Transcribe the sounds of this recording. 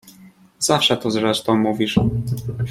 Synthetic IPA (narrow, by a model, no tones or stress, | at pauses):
z̥afʂɛt̪ɔzɾɛʂt̪ɔ̃w̃muvʲiʂ